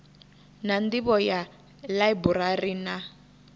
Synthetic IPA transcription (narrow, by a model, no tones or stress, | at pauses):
nandiβɔja | laiburarina